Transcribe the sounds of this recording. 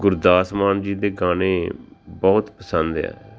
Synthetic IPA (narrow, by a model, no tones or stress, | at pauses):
ɡʊɾd̪aːsmaːnd͡ʒiːd̪eːɡaːneːbɔːt̪pəsənd̪ɛ̰ː